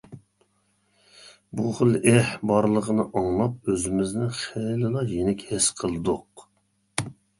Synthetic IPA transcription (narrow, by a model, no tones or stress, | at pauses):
buχəlˠɛhbɑɾlˠəʁənɨʔɑŋlˠɑp̚øzɪmɪznɪχɛlɪlˠɑjenɪkʲhɪsqʰəlˠɨd̪ʊq